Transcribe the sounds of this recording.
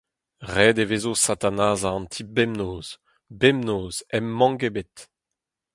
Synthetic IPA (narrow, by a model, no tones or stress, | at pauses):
ʁɛːd̪eveːzosat̪anaːzaɑ̃nt̪ʰibɛmnoːz̥ | bɛmnoːzɛmːɑ̃ŋɡebet̪